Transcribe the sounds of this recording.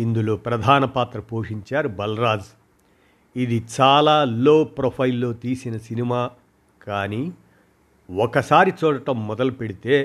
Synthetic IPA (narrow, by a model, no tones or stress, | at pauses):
ind̪ulupɾɐd̪ʱaːnɐpaːt̪ɾɐpoːʂiɲt͡ʃaːɾubɐlɾaːd͡ʒ | id̪it͡ʃaːlaːloːpɾɐpʰɐjlːo̞ːt̪iːsinɐsinimaː | kaːniː | ɔkɐsaːɾit͡ʃɔːɽɐʈɐmːɔd̪ɐlupeɽit̪e̞ː